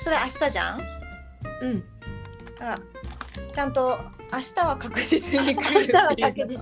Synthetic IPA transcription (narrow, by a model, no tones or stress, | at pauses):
so̞ɾe̞aɕi̥t̪aʑã̰ | ɯ̟̃ɴ | a | t͡ɕãnt̪o̞ | aɕi̥t̪aβakakɯ̟zit͡sɨ̥kʲiɲʲikaɕit̪aβakakɯi